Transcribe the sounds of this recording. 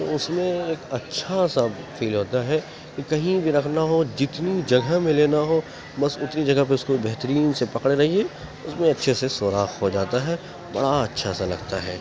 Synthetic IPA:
tt̪oʊsmẽeːkɐtːʃʰasa | fiːlɦoːt̪aɦɛ | kikɐɦĩbʱiɾɐkʰnaɦod͡ʒɪt̪nid͡ʒɐɡʱəmẽleːnaɦo | mɐsʊt̪nid͡ʒɐɡəɦp̬eʊskoibɛɦt̪əɾiːnsepɐkɽeɾɐɦie | ʊsmẽɐtːʃʰesesoːɾaːxɦod͡ʒaːt̪aɦɛ | bɐ̰ɽaɐtːʃʰasalɐ̰ɡt̪a̰ɦɛː

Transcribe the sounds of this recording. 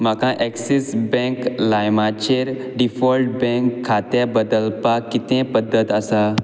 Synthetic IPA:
makãʔɛksisbɛ̃klajmat͡ɕeɾ | ɖifɔlʈ̚bɛ̃ŋkʰːat̪abəd̪əlpakːit̪ẽpəd̪ːət̪asa

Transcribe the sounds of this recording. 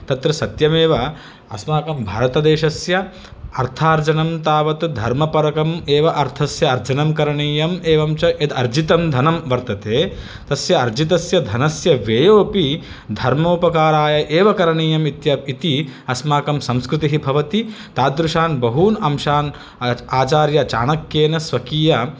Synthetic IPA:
t̪ɐt̪ɾɐsɐt̪jɐmeːʋɐ | ɐsmaːkɐmbʱaːɾɐt̪ɐd̪eːʃɐsjɐ | ɐɾt̪ʰaːɾd͡ʒɐnɐmt̪aːʋɐt̪d̪ʱɐɾmɐpɐɾɐkɐmeːʋɐʔɐɾt̪ʰɐsjɐːɾd͡ʒɐnɐmkɐɾɐɳiːjɐmeːʋɐmt͡ʃɐʔed̪ɐɾd͡ʒit̪ɐmd̪ʱɐnɐmʋɐɾt̪ɐt̪eː | t̪ɐsjɐɐɾd͡ʒit̪̬ɐsjɐd̪ʱɐnɐsjɐʋeːjoːpi | d̪ʱɐɾmoːpɐkaːɾaːjɐʔeːʋɐkɐɾɐɳiːjɐmit̪jɐit̪iɐsmaːkɐmsɐ̃mskɾɪt̪iɦibʱɐʋɐt̪i | t̪aːd̪ɾuʃaːnbɐɦuːnɐmʃaːn | aːt͡ʃaːɾjɐt͡ʃa̰ːnɐkjeːnɐsʋɐkiːjɐ

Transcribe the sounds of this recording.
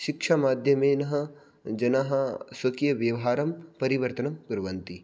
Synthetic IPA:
ʃɪkʃamaːd̪ʱjɐmeːnɐɦɐ | d͡ʒɐnaɦɐsʋɐkijɐʋjɐʋɦaːɾɐmpɐɾiʋɐɾt̪ɐnɐmɡʊɾʋɐnt̪i

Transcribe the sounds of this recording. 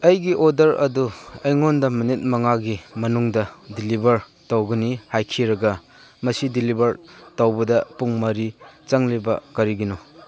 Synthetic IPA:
ɐjɡiʔodɐɾɐ̰duɐjŋondɐminit̚mɐŋaɡimɐnuŋdɐdilibʱɐɾ | tɐwɡɐnihajkʰiɾɐɡɐ | mɐsidilibɐɾtɐwbɐdɐpuŋmɐɾit͡ʃɐŋlibɐ̰kɐɾiɡino

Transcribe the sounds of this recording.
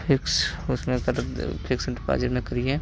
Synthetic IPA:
pʰɪksʊsmẽkɐɾpʰɪkspa̰ːd͡ʒɪɾmẽkɐɾiɦɛ̃ː

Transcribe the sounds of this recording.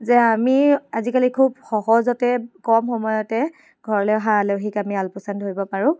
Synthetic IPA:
zɛamiazikalikʰubxɔɦɔzɔtɛkɔmxɔmɔjɔtɛ | ɡ̥ʱɔɹɔlɔɦaleɦikamialpɔsantɦojbɔpaɹʊ̃

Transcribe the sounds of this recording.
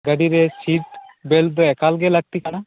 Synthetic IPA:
ɡəɖiɾesiʈbeld̪oɛkalɡeləɡ̚t̪ikaɽa

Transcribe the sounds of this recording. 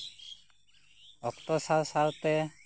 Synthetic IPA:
ɔkt̪ɔsawsawt̪ɛ

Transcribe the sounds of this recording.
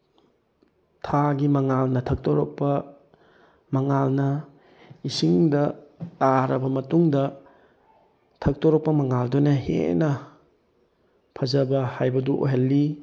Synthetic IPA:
tʰaɡimɐŋalnɐtʰɐk̚toɾɔk̚pɐ | mɐŋalnɐ | isiŋdɐtaɾɐbɐmɐtuŋdɐ | tʰɐk̚toɾɔk̚pɐmɐŋaldunɐhḛnɐ | pʰɐzɐbɐhajbɐduʔo̰ɦelːi

